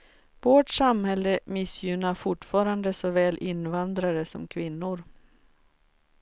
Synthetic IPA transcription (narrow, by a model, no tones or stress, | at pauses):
voːʈsamhɛlːəmɪsjʏnafʊʈfɑːɾand̪əsɔvɛːlʔɪnːvand̪ɾaɾəsɔ̰mkʰvɪnːʊɾ